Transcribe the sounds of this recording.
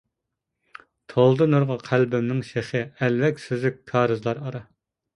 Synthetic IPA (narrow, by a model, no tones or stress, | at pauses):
t̪ʰolˠd̪ɨnoɾʁɑqʰælbɪmnɪŋʃeχɨɛlvɛkʲsyzykʲkʰɑːɾɨzlˠɑɾɑɾɑ